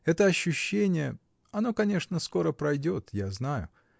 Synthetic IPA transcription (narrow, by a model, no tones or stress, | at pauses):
ɛt̪əɐɕːʉɕːenʲɪjə | ɐno̞kɐnʲe̞ʂnəsko̞ɾəpɾɐjdʲo̞t̪jaznajʊ̰